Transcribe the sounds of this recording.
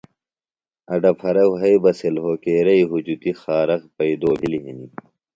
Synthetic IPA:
ɐɖɐpʰɐɾɐwɦɐibɐselɦoːkeːɾɐiɦud͡ʑut̪ixaːɾɐkpɐid̪oːbʱiliɦini

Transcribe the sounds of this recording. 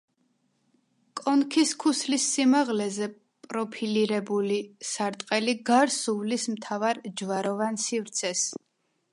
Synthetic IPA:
kʼɔnkʰiskʰuslisːimaʁlɛzɛ | pʼɾɔpʰiliɾɛbulisaɾt̪ʼqʼɛliɡaɾsuvlismt̪ʰavaɾd͡ʒvaɾɔvansivɾt̪sʰɛs

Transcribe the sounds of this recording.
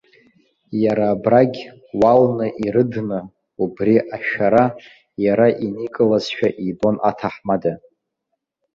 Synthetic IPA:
jaɾaːbraɡʲ | walnɨʔiɾɨdnɨ | ubriʔaʃᶣaɾa | jaɾaʔinikʼɨlazʃᶣaʔibʼo̞nʔa̰tʰaħmada

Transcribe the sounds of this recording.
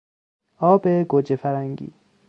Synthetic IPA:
ɔːbeɡod͡ʒefaɾaŋɡḭ

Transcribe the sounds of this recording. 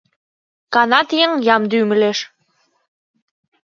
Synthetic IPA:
kɑnɑt̪jeŋjɑmd̪ymə̆leʃ

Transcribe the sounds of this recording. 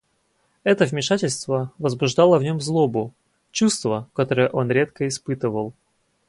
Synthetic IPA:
ɛt̪əvmʲɪʂatʲɪlʲst̪vəvəzbʊʐd̪ɑlˠəvnʲo̞mzlˠo̞bʊ | t͡ɕust̪vəkɐt̪oɾəjəʔo̞nɾʲe̞t̪kəɪspɨt̪ɨvəlˠ

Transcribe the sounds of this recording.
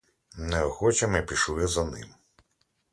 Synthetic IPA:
nɛɔxɔt͡ʃɐmɛpʲiʃuɛzɐnɪ̰m

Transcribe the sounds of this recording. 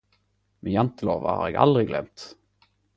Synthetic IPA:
mɛnjɛnt̪əloːva̰ha̰ɾɛɡa̰ld̪ɾɪɡlɛ̰mt̪

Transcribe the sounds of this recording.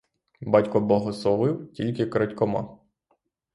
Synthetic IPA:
bɑtʲkɔbɔɦɔsɔʋɪwtʲilʲkɪkɾɐtʲkɔmɑ̰

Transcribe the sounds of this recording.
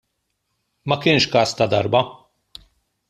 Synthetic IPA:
mɐkɪnʃkɐːst̪ɐd̪ɐɾbɐ

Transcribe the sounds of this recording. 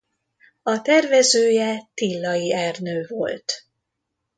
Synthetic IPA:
ɒt̪ɛrvɛzøːjɛt̪ilːɒjiɛrnøːvo̞̰lt̪

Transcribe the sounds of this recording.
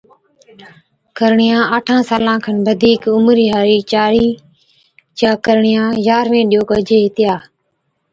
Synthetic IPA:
kəɾɳɪjãːəʈʰãːsaːlãːkʰənʋəd̪ʱiːkʊmɾiːɦaːɾiːt͡ʃaːɾiː | t͡ʃaːkəɾɳɪjãːjaːɾʋẽːɗɪjoːkəd͡ʒeːɦɪt̪ɪjaː

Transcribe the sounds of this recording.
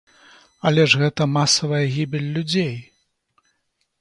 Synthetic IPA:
ɐlʲɛʐɣɛt̪ɐmasɐvɐjɐɣʲibʲilʲːud͡zʲej

